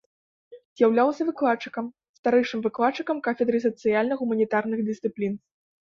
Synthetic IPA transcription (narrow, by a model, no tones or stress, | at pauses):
zʲjawlʲawsʲɐvɨklˠatt͡ʂːɨ̥kɐm | st̪aɾɛjʂɨmvɨklˠat̪t͡ʂːɨkɐmkafʲɛd̪ɾɨs̬ɐt̪sɨjalʲnɐɣumɐnʲit̪arnɨɣd̪ɨst̪sɨplʲin